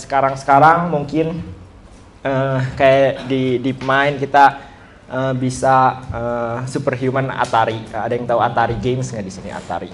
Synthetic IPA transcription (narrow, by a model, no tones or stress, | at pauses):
sə̥kaɾaŋsə̥kaɾaŋmuŋkɪn | əkajadidipmaɪnkit̪a | ʔəbisaəsupərɦijumana̰t̪aɾiadajaŋt̪auat̪aɾiɡemsŋɡadisinḭa̰t̪a̰ɾi